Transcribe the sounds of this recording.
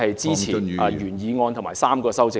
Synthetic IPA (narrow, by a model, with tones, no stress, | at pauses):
ɐ˨jt͡siː˨˥t͡sʰiː˨˩nɐ˨˧jyː˨˩njiː˨˧ŋɔː˧nt̪ʰmaː˨˩saː˥mkɔː˧sɐ˥wt͡sɪ˨˧